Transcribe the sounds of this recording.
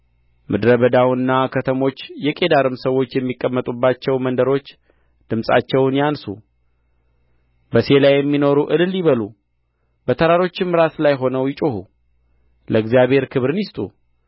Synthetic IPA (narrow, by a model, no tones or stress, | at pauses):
mʔɨd̪ɾəβəd̪awɨnːakʰət̪ʰəmo̞t͡ʃːjɛkʼe̞d̪aɾɨmsəwːo̞t͡ʃːjɛmːikʼːəmːət̪ʼubːat͡ʃːɛwmənd̪əɾo̞t͡ʃː | d̪̥ɨmsʼa̰t͡ʃːɛwnjansṵ | bəse̞lajːɛmːino̞ɾuʔɨlɨljiβəlu | bət̪ʰəɾaɾo̞t͡ʃːɪnmːɨɾat̪lajɦo̞nəwjɪt͡ʃʼohṵ | ləɨɡzijaβhe̞ɾkʰɨβɾɨnjɪst̪ʼṵ